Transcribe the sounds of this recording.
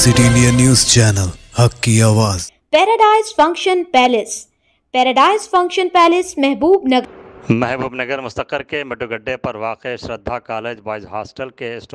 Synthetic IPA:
siʈiɪnɖijɐnːjuːzt͡ʃɛːnəlhɐkːiaːʋaːzpɛːɾɐɖaːɪzfɐ̃ŋkʃənpɛːlɪs | pɛːɾɐɖaːɪzfɐ̃ŋkʃənpɛːlɪsmɛɦbuːbnɐɡmɛɦbuːbnɐɡəɾmʊst̪əqəɾkemɪʈuɡɐɖːepɐɾʋaːqeʃɾɐd̪ʱːakaːleːd͡ʒbaːɪd͡ʒɦaːsʈəlkesʈ

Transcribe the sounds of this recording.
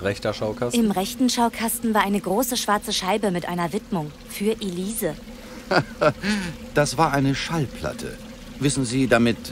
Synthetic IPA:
ʁɛçtɐʃaʊkʰasʔɪmʁɛçtn̩ʃaʊkʰastn̩vaːɐʔaɪnəɡʁoːsəʃv̥aɐt͡səʃaɪbəmɪtʔa̰ɪnɐvɪtmʊŋ | fyːɐʔeliːzə | d̥asv̥aːɐʔaɪnəʃalpʰla̰tʰə̰ | vɪsn̩ziːdamɪt

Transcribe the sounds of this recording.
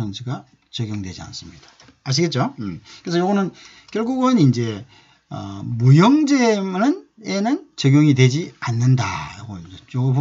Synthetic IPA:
ʌnsʰiɡa | t͡ɕʌɡjoŋdwe̞d͡ʑia̰ns͈ɯmɲid̥a | aɕ̬iɡe̞t̚t͡ɕ͈okɯɾes̬ʰʌjoɡʌnɯn | kjʌɭɡuɡɯnind͡ʑe̞ | ʌ̰mujʌŋd͡ʑe̞mɯnenɯnt͡ɕʌɡjoŋidwe̞d͡ʑianːɯnda̰ɾaɡoid͡ʑejoɡoo

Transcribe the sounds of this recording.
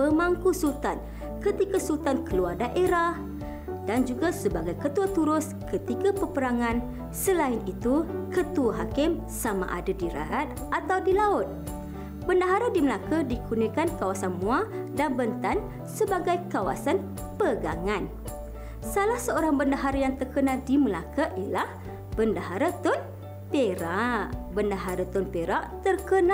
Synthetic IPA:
əmaŋkusut̪an | kət̪ikasut̪ankəluardaʔeɾah | dand͡ʒuɡasəbaɡajkət̪uat̪uɾʊs | kət̪ikapəpəɾaŋãn | səlaɪnit̪ukət̪uaɦakɪm | sama̰ʔa̰dadiɾa̰at̪̚ | ʔat̪awdilaʊt̪̚ | bəndaɦaɾadiməlakadikʰunikankawasanmũadanbənt̪an | səbaɡajkawa̰san | pəɡa̰ŋan | salahsəoɾaŋbəndaɦaɾajaŋt̪ərkənãdiməlakaʔilah | b̥əndaɦaɾat̪ʊn | peɾaʔbəndaɦaɾat̪ʊnpeɾaʔt̪ərkəna

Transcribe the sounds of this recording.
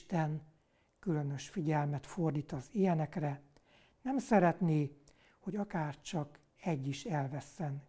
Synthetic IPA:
t̪ɛn | kylø̞nø̞ʃfiɟɛlmɛt̪ford̪iːt̪ɒzijɛnɛkrɛ | nɛmsɛɾɛt̪neː | ho̞ɟɒkaːrt͡ʃɒk | ɛɟːiʃɛlvɛsːɛn

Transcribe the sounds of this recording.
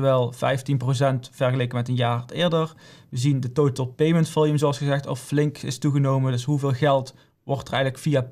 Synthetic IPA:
ʋɛlˠv̥ɛ̰jftinprosɛntfɛɹχəlejkəmɛtənjaːrtɪːɹdərʋəzindətowtəlˠpejməntfɪlˠjəmzowɑsχəzɛxtɔ̰flɪŋkɪ̰stuɣənowməndɵsɦuvɪːlˠɣɛlˠt | ʋɔɹtərɛjɣələkfija

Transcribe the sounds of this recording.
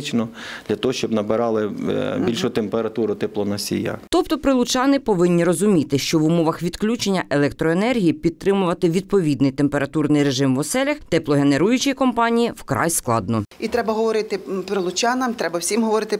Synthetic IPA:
t͡ʃnɔd̪̥lʲɐt̪ɔɦɔʃt͡ʃɔbnɐbɪɾɑlˠɪbʲilʲʃʊt̪empeɾɐt̪uɾʊt̪ɛplˠɔnɐsʲḭja̰t̪ɔp̚t̪ɔpɾɪlˠʊt͡ʃɑnɪpɔʋɪnʲːiɾɔzʊmʲit̪ɪʃt͡ʃɔʋumɔʋɐxʋʲid̪klʲut͡ʃenʲːɐʔelˠɛkt̪ɾɔenɛrɦʲijipʲid̪̚t̪ɾɪmʊʋɐt̪ɪʋʲid̪̚pɔʋʲid̪nɪjt̪empeɾɐt̪urnɪjɾeʒɪmʋɔsɛlʲɐxt̪ɛplˠɔɦe̞ne̞ɾujʊt͡ʃijkɔmpɑnʲijiwkɾɑ̰jsklˠɑ̰d̪nɔit̪ɾɛbɐɦɔʋɔɾɪt̪ɪpɾɪlˠʊt͡ʃɑnɐmt̪ɾɛbɐwsʲimɦɔʋɔɾɪt̪ɪ

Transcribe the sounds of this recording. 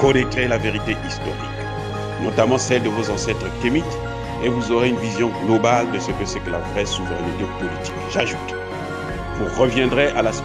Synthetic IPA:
kɔnɛt̪χelaveʁit̪eʔist̪ɔ̰ʁḭk | nɔt̪amɑ̃sɛld̪əvozɑ̃sɛt̪χəkemit̪ | evuzoʁeynvizjɔ̃ɡlɔbald̪əsəkəsɛkəlavʁɛsuvəʁɛnt̪ɛpɔlit̪i̥kʒaʒut̪ | vuʁəvjɛ̃d̪ʁeʔalas

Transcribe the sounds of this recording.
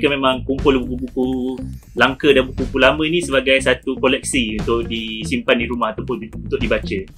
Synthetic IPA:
kəmemãŋkumpʊlubukubukulaŋkədanbukukulamə̃nĩsəbaɡajsat̪ukɔlɛk̚siunt̪ʊʔ̚disimpandiɾumahat̪awpʊnunt̪ʊʔ̚dibat͡ʃə

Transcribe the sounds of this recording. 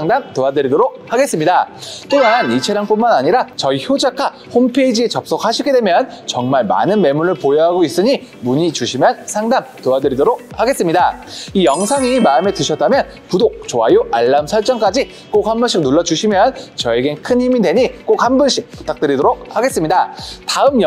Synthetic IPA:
aŋdamtoadɯɾidoɾok̚haɡe̞s͈ɯmɲidat͈onanit͡ɕʰeɾjaŋp͈unmanaɲiɾat͡ɕʌiçjod͡ʑakʰa | hompʰeid͡ʑiet͡ɕʌp̚s͈okhaɕʰiɡe̞dwe̞mjʌnt͡ɕʌŋmaɭma̰nɯnme̞muɾɯɭpojʌɦaɡois͈ɯɲi | muɲit͡ɕuɕʰimjʌnsʰaŋdamtoadɯɾidoɾok̚haɡe̞s͈ɯmɲidaijʌŋsʰaŋimaɯme̞tɯɕʰʌt̚t͈amjʌn | pudok̚t͡ɕoajoʔaɭːaɯmsʰʌɭt͡ɕ͈ʌŋk͈ad͡ʑi | k͈ok̚hambʌɕʰik̚nuɭːʌd͡ʑuɕʰimjʌnt͡ɕʌeɡenkʰɯnhimidwe̞ɲik͈ok̚hambɯnɕʰik̚pp͈u̥tʰak̚t͈ɯɾidoɾok̚haɡe̞s͈ɯmɲidataɯmj

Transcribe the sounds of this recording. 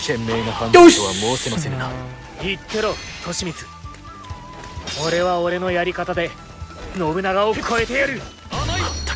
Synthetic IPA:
kẽ̞mːe̞ːnahãnoβamo̞ːsemasẽna | it̪ːe̞ɾo̞t̪ʰo̞ɕimʲit͡sɨ̥ | o̞ɾe̞βaoɾe̞no̞jaɾʲikat̪ad̪e̞ | no̞bɯ̟naɡaoko̞e̞t̪e̞jɾɯ̟

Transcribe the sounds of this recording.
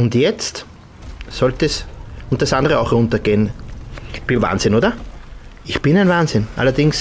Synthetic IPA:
ʊntjɛt͡st | sɔltɛsʊnt̚d̥asʔãndəʁəaʊxʁʊ̃ntɐɡ̥eːn | b̥ɪnva̰ːnsɪnoːdɐ | ɪçpɪnæɪnvaːnzɪnʔa̰lɐdɪŋs

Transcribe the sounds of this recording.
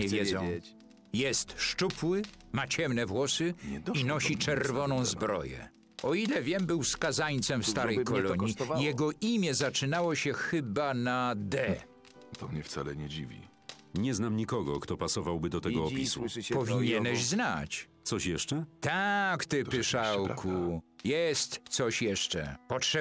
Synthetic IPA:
ɲɛvʲjɛzzɔ̃ | jɛst̪ʂt͡ʂupwɘmat͡ɕɛmnɛvwɔsɪinɔɕit͡ʂɛɾvɔnɔ̃w̃zbɾɔ̰jɛ̰ | ɔilɛvʲjɛmbɘwskazaɲt̪sɛmfst̪aɾɛjkɔilɔɲijɛɡɔʔimʲjɛzat͡ʂɘnawɔɕɛxɘbanad̪ɛ | t̪ɔmɲɛft̪sa̰lɛɲɛd͡ʑivʲḭ | ɲɛznamɲikɔɡɔ̰kt̪ɔpasɔvawbɘd̪ɔt̪ɛɡɔːpʲisṵpɔvʲiɲɛnɛɕzna̰t͡ɕt̪sɔɕjɛʂt͡ʂɛt̪akt̪ɪpɪʂawkʰujɛst̪sɔɕjɛʂt͡ʂɛ̰pɔtʂɛ

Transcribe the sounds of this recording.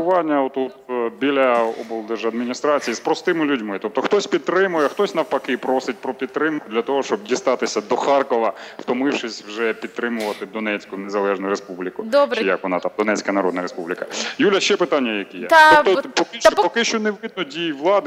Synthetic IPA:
ʊʋɑnʲːɐɔt̪ɔt̪bʲilʲɐɔbɔlˠd̪ɛʒɐd̪mʲinʲist̪ɾɑt͡sʲijispɾɔst̪ɪmɪlʲʊdʲmɪt̪ɔp̚t̪ɔxt̪ɔsʲpʲidt̪t̪ːɾɪmʊjɛxt̪ɔsʲnɐwpɐkɪpɾoɔsɪt̚ʲpɾɔpʲid̪̚t̪ːɾɪmkʊd̪lʲɐt̪ɔɦɔʃt͡ʃɔbdʲist̪ɑt̪ɪsʲɐd̪ɔxɑrkɔʋɐft̪ɔmɪwʃɪsʲwʒɛpʲid̪̚t̪ɾɪmʊʋɐt̪ɪd̪ɔnɛt͡sʲkʊnezɐlˠɛʒnʊjɾespublʲikʊd̪bt͡ʃjɐkʋɔnɑt̪ɑmd̪ɔnɛt͡sʲkɐnɐɾɔd̪nɐɾespublʲikɐjulʲɐʃt͡ʃɛpɪt̪ɑnʲːɐjɐkɛjɛ̰t̪ɔpɔkɪpɔkɪʃt͡ʃɔneʋɪd̪nɔdʲijiʋlˠɑd̪ɪ

